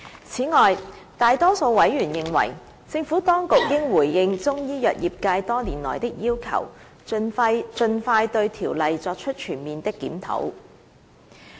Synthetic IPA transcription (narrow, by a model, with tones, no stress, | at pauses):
t͡sʰiː˨˥ŋɔː˨j | t̪aː˨˧jt̪ɔː˥so˧wwɐ˨˥jɥyː˨˩njɪ˨ŋwɐ̰˨˩j | t͡sɪ˧ŋfu˨˥t̪ɔː˥ŋkʊ˨k̚jɪ˥ŋwuː˨˩jːɪ˧ŋt͡sʊ˥ŋjiː˥jœː˨t̚jiː˨p̚kaː˧jt̪ɔː˥niː˨˩nlɔ̰ː˨˩jt̪ɪ˥k̚jiː˥wkʰɐ̰˨˩w | t͡ʃɵ˧nfaː˧jt̪ɵ˧ɥt̪ʰiː˨˩wlɐ˨jt͡sɔː˧k̚t͡ʃʰɵ˥t̚t͡ʃʰyː˨˩nmiː˨nt̪ɪ˥kːiː˨˥mt̪ʰo̰˨˥w